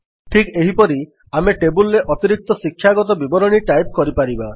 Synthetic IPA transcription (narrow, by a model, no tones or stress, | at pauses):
ʈʰikeɦipɔɾi | ameʈebulɾeʔɔt̪iɾik̚t̪ɔsikʰːjaɡɔt̪ɔbibɔɾɔɽ̃iʈajp̚kɔɾipaɾiba